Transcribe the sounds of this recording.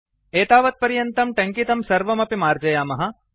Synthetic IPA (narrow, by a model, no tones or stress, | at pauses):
eːt̪aːʋɐt̪̚pɐɾjɐnt̪ɐmʈɐŋkit̪ɐmsɐɾʋɐmɐpimaːɾd͡ʒɐjaːmɐɦɐ